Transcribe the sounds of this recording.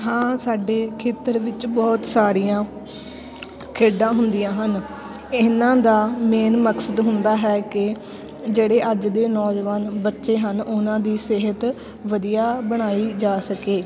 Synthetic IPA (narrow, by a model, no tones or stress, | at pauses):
ɦãːsaːɖeːkʰeːt̪əɾʋɪt͡ʃbɔːt̪saːɾijãː | kʰeːɖãːɦʊnd̪ɪjãːɦən | ɪnãːd̪aːmeːnməksəd̪ɦʊnd̪aːɦɛːkɪ | d͡ʒeːɽeːʔəd͡ʒd̪eːnɔːd͡ʒʋaːnbətːʃeːɦənʊnãːd̪iːsɪɦət̪ | ʋəd̪ijaːbəɽ̃aːiːd͡ʒaːsəkeː